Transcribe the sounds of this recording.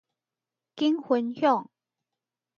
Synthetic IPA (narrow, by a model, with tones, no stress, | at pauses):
ki˥ŋxə˨˦nhjɔ˥˨ŋ